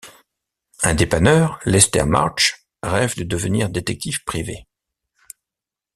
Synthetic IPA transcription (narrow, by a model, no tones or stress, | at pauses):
ɛ̃d̪epanœʁlɛst̪ɛ̰ʁma̰ʁʃ | ʁɛvd̪əd̪əvəniʁd̪et̪ɛk̚t̪ifpχive